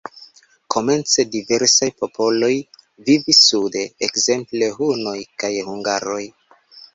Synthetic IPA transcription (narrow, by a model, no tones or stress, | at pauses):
kʰo̞me̞nt͡se̞dive̞ɾsajpo̞po̞lo̞j | vivisːude̞ekze̞mple̞ɦuno̞jkajhuŋɡaɾo̞j